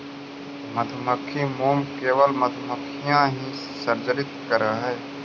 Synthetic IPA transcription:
mɐt̪ʰməkʰːimoːmkeːʋəlmɐt̪ʰməkʰijãːɦĩ | səɾd͡ʒəɾɪt̪kəɾəɦɛː

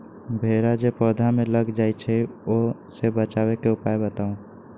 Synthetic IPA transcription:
bʱeɾad͡ʒepəd̪ʱameləɡd͡ʒaːit͡ʃʰɛo | sebət͡ʃawekeʊpaebət̪aũ

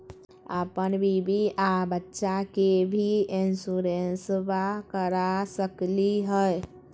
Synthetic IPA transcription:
a̰pənbʱibiʔabətːʃakebʱiɪnsuɾensbakəɾasəkliɦəe

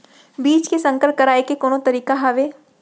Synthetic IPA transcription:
biːt͡ʃkesɐ̃ŋkəlp̚kɐɾaːekekoːnõt̪ɐɾiːkaɦɐʋeː

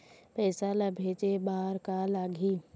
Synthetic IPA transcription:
pɛːsalabʱeːt͡ʃebaːɾkalaːɡʱiː

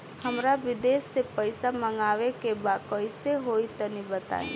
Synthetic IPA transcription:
həmɾaʋɪd̪eːsːepəɪsaməŋɡaːʋekebaːd̪koɪseɦoːit̪ənibət̪a̰ːḭ̃

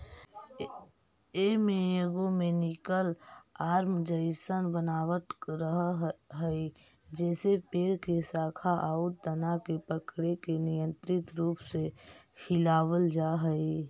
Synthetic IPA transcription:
emejəɡõmẽnɪkəlaːɾmd͡ʒəɪsənbənaːwəʈɾəɦɦɦəɪ | d͡ʒɛːsepeːɽkesaːkʰaʔaːʊt̪d̪ənakepəkɽekenɪjə̃nt̪ɾɪt̪ɾuːpsehɪlaːwəld͡ʒaɦəi

